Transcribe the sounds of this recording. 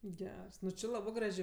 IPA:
ˈɡʲɛrs ˈnʊ t͡ʃʲɪ ˈlˠɑːbɜ ˈɡrɑːʒʲeː

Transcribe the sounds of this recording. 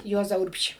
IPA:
ˈjuɔzɐ ˈʊrʲpʲʃʲiː

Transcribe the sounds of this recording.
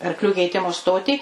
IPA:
ɐrkˈlʲuː kʲɛɪˈtʲɪmʊ ˈstoːtʲiː

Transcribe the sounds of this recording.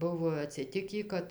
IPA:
ˈbʊʋoː ɐtʲsʲɪˈtʲɪkʲiː ˈkɐt

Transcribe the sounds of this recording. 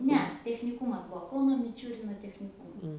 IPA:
ˈnʲɛ tʲɛxʲnʲɪˈkuːmɐs ˈbuɔ ˈkɐʊnoː mʲɪˈt͡ʃʲʊrʲɪnoː tʲɛxʲnʲɪˈkuːmɐs

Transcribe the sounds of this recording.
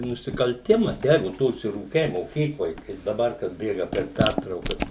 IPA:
nʊsʲɪkɐlʲˈtʲɪmɐs ˈjɛɪɡʊ ˈtʊ ʊʃʲsʲɪˈruːkʲɛɪ moːˈkʲiːklˠoːj ˈkɐɪp dɐˈbɐr kɐt ˈbʲeːɡɐ pʲɛr ˈpʲærtrɐʊkɐs

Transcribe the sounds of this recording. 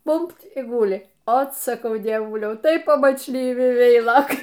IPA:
ˈbʊmʲpʲtʲ ˈɡʊlʲɪ ˈoːt sɐˈkɐʊ dʲiɛˈʋʊlʲɛʊ tɐɪ pɐmɐt͡ʃʲˈlʲiːʋʲɪ ˈʋʲɛɪlˠoːkɐɪ

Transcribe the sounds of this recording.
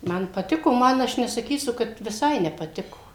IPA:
ˈmɐn pɐˈtʲɪkoː ˈmɐn ˈɐʃ nʲɛsɐˈkʲiːsʊ kɐt ʋʲɪˈsɐɪ nʲɛpɐˈtʲɪkoː

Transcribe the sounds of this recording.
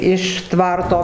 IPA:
ɪʃ ˈtʋɐrtoː

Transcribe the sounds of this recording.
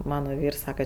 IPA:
ˈmɑːnoː ˈʋʲiːrs ˈsɑːkɐ

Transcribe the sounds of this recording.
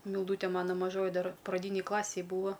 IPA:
mʲɪlˠˈduːtʲɛ ˈmɑːnoː mɐˈʒoːjɪ ˈdɐr prɐˈdʲiːnʲeːj ˈklˠɑːsʲeːj ˈbuːʋɐ

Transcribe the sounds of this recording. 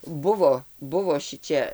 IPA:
ˈbʊʋoː ˈbʊʋoː ˈʃʲɪt͡ʃʲɛ

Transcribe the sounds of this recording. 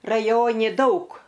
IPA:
rɐˈjoːnʲɪ ˈdɐʊk

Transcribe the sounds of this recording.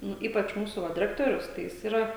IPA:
ˈnʊ ˈiːpɐt͡ʃ ˈmuːsʊ ˈʋɐ dʲɪˈrʲæːktoːrʲʊs tɐɪ ˈjɪs ˈiːrɐ

